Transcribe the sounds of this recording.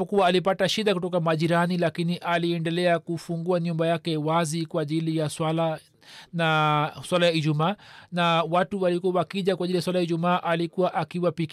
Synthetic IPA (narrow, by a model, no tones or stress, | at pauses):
ɔkuwaːlip̬ataʃiɗakutɔkamaʄiɾanilakiniʔaliɛndɛlɛakufuŋɡuaɲumbajakɛwazikwaʄilijaswala | naswalajaiʄumaːnawatuwalikuawakiʄakwaʄilijaswalajaiʄumaːʔalikuwaʔakiwapik